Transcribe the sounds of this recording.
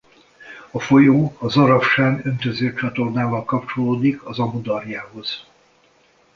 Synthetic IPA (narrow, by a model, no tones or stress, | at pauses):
ɒfo̞joːɒzɒɾɒfʃaːnø̞nt̪øzøːt͡ʃɒt̪o̞rnaːvɒlkɒp̚t͡ʃo̞loːd̪ikʰɒzɒmud̪ɒrjaːɦo̞z̥